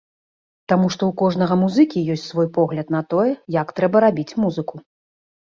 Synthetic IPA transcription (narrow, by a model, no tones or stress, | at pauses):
t̪amuʂt̪ɔukɔʐnɐɣɐmuzɨkʲijɔsʲtʲt͡sʲsvɔjpɔɣlʲɐt̪nɐt̪ɔjɛjɐkt̪ɾɛbɐɾabʲit͡sʲmuzɨku